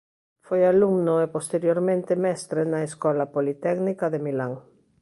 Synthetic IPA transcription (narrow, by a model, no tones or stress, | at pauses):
fojaluŋnoepost̪eɾjoɾmẽnt̪emɛst̪ɾenaeskɔlapolit̪ɛɡnikaðemilaŋ